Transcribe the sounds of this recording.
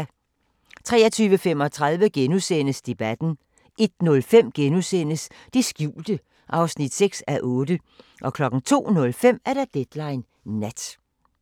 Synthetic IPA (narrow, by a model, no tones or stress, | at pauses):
t͡sʰʁɛ̰ːɐt͡sʰyːʋəfem̰ɒ̽t͡sʰʁäð̞ˠʋəɡ̥enusen̰əsd̥e̝b̥æd̥n̩ | ʔe̝d̥nɔ̽lfem̰ɡ̥enusen̰əs | d̥isɡ̥juːld̥ə | ʔɑ̈ʊsnid̥seɡ̥sæʔɔːdə | ʔɒ̽kʰlɒ̽ɡ̥n̩t͡sʰo̝̰ːnɔ̽lfem̰æɐɾ̥ɑ̈d̥ed̥lɑ̈ɪnː | æd̥